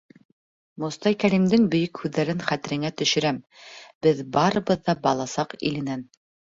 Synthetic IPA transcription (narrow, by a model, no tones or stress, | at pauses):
mŏst̪ɑjkæɾimd̪ɘŋbɵ̆jɵkhʉðːæɾɘŋχæt̪ɘ̆ɾɘ̆ŋæt̪ɵ̆ʃɵ̆ɾæmb̥ɘðbɑɾɤ̆βɤðːɑbɑlˠɑsɑqḭlɘ̆næn